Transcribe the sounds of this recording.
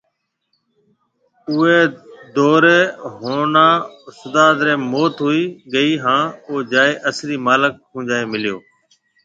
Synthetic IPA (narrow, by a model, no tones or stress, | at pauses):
ʊeːd̪oːɾeːɦoːnaːsəd̪aːd̪ɾẽːmoːt̪ɦuiːɠəiːɦãːoːd͡ʒaːeːʔəsɾiːmaːlək̚ːũːd͡ʒaːeːmɪljoː